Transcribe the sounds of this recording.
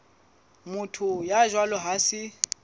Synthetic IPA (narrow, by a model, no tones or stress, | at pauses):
mʊtʰʊjaʒwalɔɦasɪ